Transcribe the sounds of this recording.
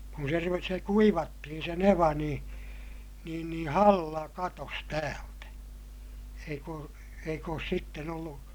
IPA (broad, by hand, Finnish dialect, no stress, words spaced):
kun se ru se kuiʋɑtːihin se neʋɑ nĩː niːn nĩː hɑlːɑ kɑtos tæːltæ eik oː eik oːs sitːen olːu